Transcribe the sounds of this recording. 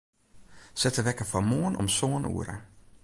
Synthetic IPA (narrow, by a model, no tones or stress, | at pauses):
sɛtʰəʋɛkəfɔmɔːnɔmsɔːnṵːɾə